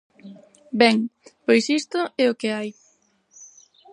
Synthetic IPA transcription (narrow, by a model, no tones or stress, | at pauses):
bɛŋpojsist̪ʊɛʊkɪaj